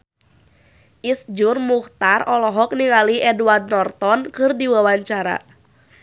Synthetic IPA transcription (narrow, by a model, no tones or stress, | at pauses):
ʔisd͡ʒʊrmuht̪arɔlɔɦɔk̚niŋaliʔɛduard̚nɔrt̪ɔnkɨrdiwawaɲt͡ʃaɾa̰